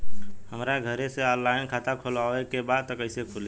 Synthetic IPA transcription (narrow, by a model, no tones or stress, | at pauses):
həmɾaɡʱəɾeseɔnlaɪnkʰat̪akʰolaekebad̪̚t̪əkəɪsekʰule